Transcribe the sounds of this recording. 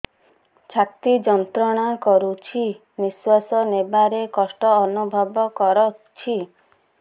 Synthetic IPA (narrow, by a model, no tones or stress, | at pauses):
t͡ʃʰak̚t̪id͡ʒɔnt̪ɾɔɽ̃akɔɾut͡ʃʰi | miswasɔnebaɾekɔsʈɔːnubʱɔbɔkɔɾɔt͡ʃʰi